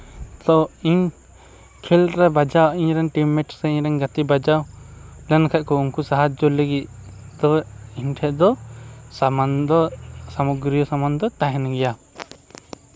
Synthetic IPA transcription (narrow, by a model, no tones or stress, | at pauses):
t̪ɔiɲ | kʰɛlɾɛbad͡ʒawaʔiɲɾɛŋʈimɛʈsɛiɲɾɛŋɡat̪ibad͡ʒawlɛnkʰaʔ̚kɔuŋkusaɦad͡ʒɔleɡit̪̚ | d̪ɔiɲʈʰɛʔd̪ɔ | d̪ɔsamuɡɾijɔsamand̪ɔt̪aɦɛnɡɛja